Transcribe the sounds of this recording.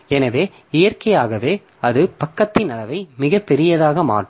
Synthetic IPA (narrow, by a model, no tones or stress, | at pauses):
ɛnɐʋeː | ɪjɐrkɐjaːɣɐʋeː | ɐðɯpɐkːɐt̪ːɪnɐlɐʋɐɪmɪɣɐpːɛɾɪjɐðaːɣɐma̰ːʈːɯ